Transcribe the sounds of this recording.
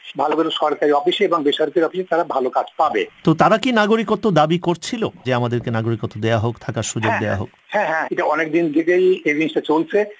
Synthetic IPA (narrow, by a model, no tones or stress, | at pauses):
bʱaloɡoloʃɔɾkaɾiɔfiʃeeboŋbeʃaɾkaɾiɔfiʃet̪aɾabʱalokad͡ʑpabḛt̪ot̪aɾakinaɡoɾikot̪ːod̪abikoɾt͡ɕʰilod͡ʑeamad̪eɾkenaɡoɾikot̪ːod̪ejaɦokt̪ʰakaɾʃud͡ʑoɡd̪ea̰ɦo̰k | hɛ̃ɦɛ̃eʈaɔnek̚d̪ind̪ʱikejebinsʈat͡ɕolt͡ɕʰe